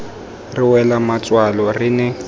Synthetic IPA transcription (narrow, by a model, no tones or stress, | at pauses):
rɪwɛlamat͡sʼwalɔrinɛ